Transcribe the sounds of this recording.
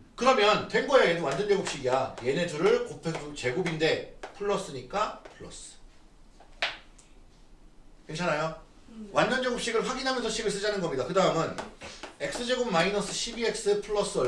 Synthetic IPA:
kɯɾʌmjʌntwe̞ŋɡʌjaedowand͡ʑʌnd͡ʑʌɡup̚ɕ͈iɡiaje̞ne̞d͡ʑʰuɾɯɭkopʰeut͡ɕe̞ɡubinde̞pʰuɭːʌs͈ɯɲik͈apʰɯɭːʌs͈ɯ̥ | kent͡ɕʰanajo | wand͡ʑʌnd͡ʑʌɡɯp̚ɕ͈iɡɯɭɸwaɡinɦamjnsʰʌɕ͈iɡɯɭs͈ɯd͡ʑanɯnɡʌmɲidakɯdaɯmɯne̞k̚s͈ɯd͡ʑe̞ɡubmainʌs͈ʰɯ̥ɕʰibie̞k̚s͈ɯpʰuɭːʌs͈ɯ

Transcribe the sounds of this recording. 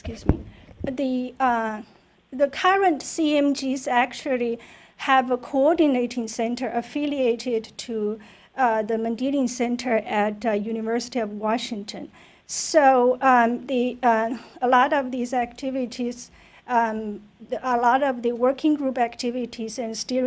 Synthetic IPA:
skjʉzmḭðɨ | ðɨkʰʌɹə̃ntsiɛ̃md͡ʒizæk̚t͡ʃul̩ˠi | ɨvəkʰoɔɹdɨneɪɾɪ̃ŋsɛ̃ntʰə˞ʔɨfɪlˠieɪɾɪdtʰu | ðɨmɨ̃ndiɾɪ̃ŋsɛ̃ntʰə˞ʔɨtjʉnɨvɜ˞sɨ̥ɾiʌvwɔʃɪ̃ŋtʰɨ̃n | soʊði | əlɔɾʌvðizæk̚tʰɪvɪɾiz̥ | əlɔɾʌvðɨwɜ˞kʰɪ̃ŋɡɹupæktʰɪvɨɾʰizɨ̃nstɪ

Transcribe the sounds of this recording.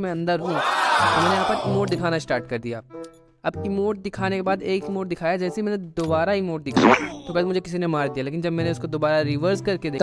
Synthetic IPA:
mẽɐ̃nd̪əɾɦũt̪omɛ̃ːneaːppɐɾɪmoːʈ̚d̪ɪkʰaːnasʈaːɾʈ̚kɐɾd̪ijaː | ɐbɪmoːʈ̚d̪ɪkʰaːnekebaːd̪eːkɪmoːʈ̚d̪ɪkʰaːjad͡ʒɛːseimɛ̃ːned̪oːbaːɾaɪmoːʈ̚d̪ɪkʰat̪obɛːd̪mʊd͡ʒʱekɪs̬inemaːɾd̪ijaleːkɪnd͡ʒɐbmɛ̃ːneʊskod̪oːbaːɾaɾɪʋəɾskɐɾked̪eː

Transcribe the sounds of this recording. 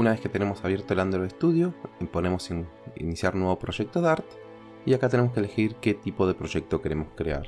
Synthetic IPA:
unaβe̞sket̪e̞ne̞mo̞saβje̞ɾt̪oeland̪ɾoðest̪uð̞jo̞po̞ne̞mo̞sinḭnisjaɾnwe̞βo̞pɾo̞ʒe̞k̚t̪o̞ðaɾt̪ | iakat̪e̞nemoskele̞xiɾke̞t̪ipo̞ð̞epɾo̞ʒe̞k̚t̪o̞ke̞ɾe̞moskɾea̰ɾ

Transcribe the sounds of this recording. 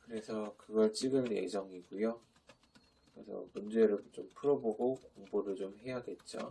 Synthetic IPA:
kɯɾe̞sʰʌkɯɡʌɭt͡ɕ͈iɡɯne̞̰d͡ʑʌŋiɡujo | kɾe̞̰sʰʌ̰mund͡ʑe̞ɾɯɭt͡ɕompʰɯɾʌboɡokoŋboɾɯɭt͡ɕomɦe̞jaɡe̞t̚t͡ɕ͈o̰

